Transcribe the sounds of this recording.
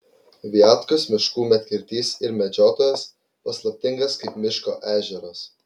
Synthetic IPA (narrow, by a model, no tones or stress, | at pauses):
ʋʲiɑːˑt̪kʊsmʲɪʃkuːmʲɛt̪ʲkʲɪɾʲt̪ʲiːsɪɾmʲɛd͡ʒʲoːt̪oːjɛs | pɐslˠɐp̚ʲt̪ʲɪŋɡɐskɐɪpmʲɪʃko̰ːʔæːʒʲɛɾɐs